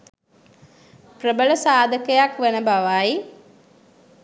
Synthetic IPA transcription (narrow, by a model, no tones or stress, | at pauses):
prəbələsaːd̪əkəjakʋenəbaʋaji